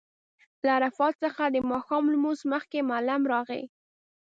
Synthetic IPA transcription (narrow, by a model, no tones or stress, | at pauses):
laːɾafɑt̪̚səxad̪əmɑxɑmlmuzməxkemalamɾɑɣə̰